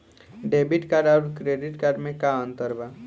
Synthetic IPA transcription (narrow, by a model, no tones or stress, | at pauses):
ɖeːbɪʈkaɾɔːɾkɾeːɖɪʈkaɾmẽkaə̃nt̪əɾba